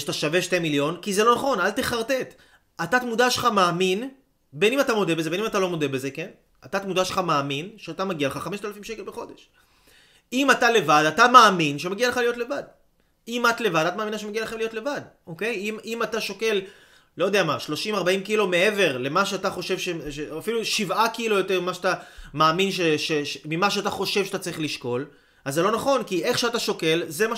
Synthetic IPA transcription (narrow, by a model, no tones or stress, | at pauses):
ataʃaveʃtemiljo̞nkizelo̞naχo̞nalt̪e̞χaʁt̪e̞t̪ | ʔatat̪mudaʃelχamaːmin | be̞nimat̪amo̞d̪ebezeenimat̪alo̞mo̞debeze̞ken | atat̪mud̪aʃelχamaːminʃeat̪amaɡialeχaχameʃtalafimʃekelbeχo̞de̞ʃ | imatale̞vadatamaːminʃemaɡialeχalijo̞tle̞vad̚ | imatle̞vad̪atmaːminaʃemeaɡialeχemlijo̞tle̞vad | oke̞jimimataʃoke̞l | lojodeamaʃlo̞ʃimaʁbaimkilomee̞ve̞ʁle̞maʃeataχo̞ʃe̞vʃeʃeafiluʃivakilojo̞teʁmimaʃeat̪amaːminʃeʃemimaʃ̬eataχo̞ʃe̞vʃatat͡saʁiχliʃko̞l | azːelo̞naχo̞nkiʔe̞χʃeataʃo̞ke̞lzema